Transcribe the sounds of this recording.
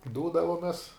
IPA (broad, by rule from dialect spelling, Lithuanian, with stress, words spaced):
ˈduːdɐʋoːmʲɛs